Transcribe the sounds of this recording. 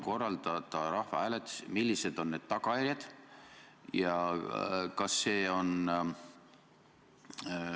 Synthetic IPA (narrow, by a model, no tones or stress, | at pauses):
ko̞rːɑld̪̥ɑd̪̥ɑɾɑhvɑ̰æːlet̪smilʲːised̪̥o̞nːe̞d̪̥t̪ɑɡɑjæɾjɑd̪̥ | jɑ | kɑsːeːo̞n